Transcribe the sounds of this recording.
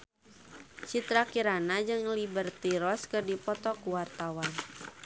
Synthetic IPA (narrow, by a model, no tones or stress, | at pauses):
t͡ʃit̪ɾakiɾanad͡ʒɨŋlibərt̪iɾɔskɨrdipɔt̪ɔkuwart̪awan